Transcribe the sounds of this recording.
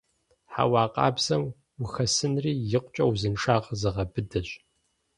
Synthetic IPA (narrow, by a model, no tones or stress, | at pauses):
ħa̰wɑːqʼɑ̰ːbz̥ɐm | wʊxɐsɨnriːjɪqʷʼt͡ʃʼɐwzɨnʂʰʼaːʁzɨʁɐbɨdɐɕʼ